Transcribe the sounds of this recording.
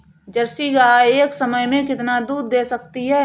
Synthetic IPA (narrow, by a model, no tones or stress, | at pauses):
d͡ʒɐɾsiɡaaeːksəməjmẽkɪt̪nad̪uːd̪̚ːeːsɐk̚t̪iɦɛː